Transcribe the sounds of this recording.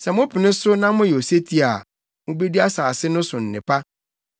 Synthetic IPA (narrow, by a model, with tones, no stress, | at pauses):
sɛ˨mʊ̃˦pʰɪ˨nɪ̃˦sʊ˦nã˦mʊ̃˦jɛ˨o˨se˦tʰi˦a˨ | mʊ̃˦be˦di˦a˦saː˨sɪ˦nʊ̃˦sʊ˨n̩˨nɪ̃˨pʰa˦